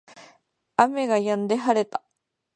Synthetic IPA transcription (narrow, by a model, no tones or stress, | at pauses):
ameɡajãnd̪eɦaɾet̪ḁ